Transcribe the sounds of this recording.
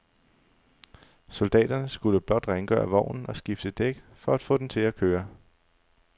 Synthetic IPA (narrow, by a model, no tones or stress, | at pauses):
sɔld̥ɛ̰ːd̥ɐnəsɡ̥uləb̥lɒ̽d̥ʁaŋɡ̥œ̰ːɐʋɒʊ̰nn̩ɒ̽sɡ̥ifd̥əd̥eɡ̥fɒ̽æd̥fɔ̰̽ːd̥ent͡sʰe̝lækʰøːɐ